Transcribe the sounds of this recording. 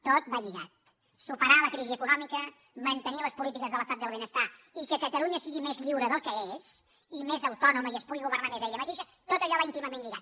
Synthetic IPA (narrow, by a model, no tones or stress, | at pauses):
t̪ot̪̚baʎiɣa̰t̪̚ | supəɾaləkɾiziəkunɔmikə | mənt̪əniələspulit̪ikəzðələst̪at̪d̪əlˠβ̞enəst̪aikəkət̪əluɲəsiɣimezʎiwɾəðəlˠkəez | imezəwt̪ɔnuməiəspuɣiɣuβəɾnanezɛʎəmət̪eʃə | t̪ot̪əʎɔβaint̪iməmenʎiɣa̰t̪̚